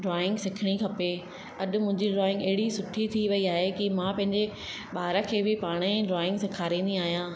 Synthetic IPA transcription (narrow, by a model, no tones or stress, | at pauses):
ɖɾɔːɪ̃ŋɡsɪkʰɪɽ̃ikʰɐpe | ɐɗʊ̆mʊ̃ɦɪ̃ɲd͡ʑiɖɾɔːɪ̃ŋɡɐɦɪɽisʊʈʰit̪ʰiʋɐiaːɦekimãːpɐ̃ɦɪ̃ɲd͡ʑe | ɓaːɦɾakʰeːbɪpaːɽ̃eɖɾɔːɪ̃ŋɡsɪkʰaːɾĩːnd̪ĩaːɦijãː